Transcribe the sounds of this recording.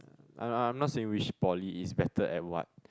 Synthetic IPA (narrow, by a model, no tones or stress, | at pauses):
ã̰aãj̃mnɔtseɪ̃ŋwit͡ʃpɔliːsbɛtəʔɛ̰t̚wɔ̰t̚